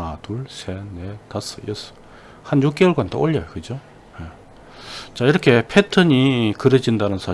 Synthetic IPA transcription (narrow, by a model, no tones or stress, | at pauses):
atuɭsʰenetas͈ʌjʌs͈ʌ̥ | hanjuk͈̚eɯɭɡwanto̰oʎːʌjokɯd͡ʑo | je | t͡ɕaiɾʌkʰe̞pʰetʰɯɲikɯɾed͡ʑindanɯnsʰa